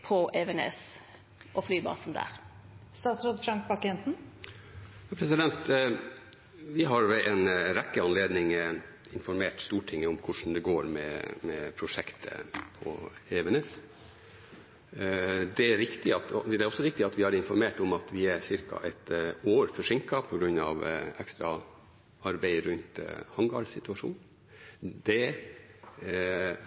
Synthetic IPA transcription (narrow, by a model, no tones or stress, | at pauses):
pʰɔʔeʋɛnḛːs | ʔɔflyːbɑ̰ːsnd̪æ̰ːɾ | st̪ɑːt̪sɾoːd̪fɾɑŋk̚bɑkjɛnsn̩ | jɑːpʰɾɛsɪd̪ɛnt̪ | ʋɪɦɑɾʋɛʔɛnɾɛkːəɑnleːd̪nɪŋɪnfɔɾmeːʈst̪uːʈʰɪŋːəʊmkʰʊʂn̩d̪ɛɡoːɾmɛ̰mɛpʰɾʊʂɛkt̪ʰə̰pʰɔ̰eːʋənəs | d̪ɛæɾʋɪkt̪ɪɑt̪d̪ɛɾɔsːɔʋɪk̚t̪ɪɑt̪ʋɪɑɾɪnfɔɾmeːʈɔmɑt̪ʋɪæɾsɪɾkʰɑ̰ʔɛt̪oːɾfɔʂɪŋkɑpʰɔɡɾʉnɑ̰ʋɛkst̪ɾɑ | ɑɾbæɪɾʉnt̪hɑŋɡɑːɭsɪt̪ʉɑʂṵːn | d̪ɛ